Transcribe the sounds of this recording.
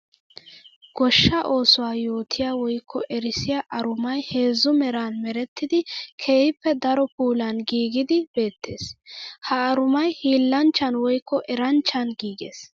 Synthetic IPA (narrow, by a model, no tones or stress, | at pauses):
ɡ̥ɔʃːɐʔo̞ːsʊwaːjo̞ːt̪ʰɪjaːwɔjkʰːɔʔɛɾɪsɪjaːʔɐɾʊmɐjhe̞ːzːʊmɛɾanmɛɾɛt̪ːɪd̪ɪkʰe̞ːjɪpːɛd̪ɐɾɔpuːlɐnɡiːɡɪd̪ɪbe̞ːt̪ːe̞̰ːshɐːɾʊmɐjhiːlːɐnt͡ʃːɐnwɔjkːɔʔɛɾɐnt͡ʃːɐnɡiːɡḛːs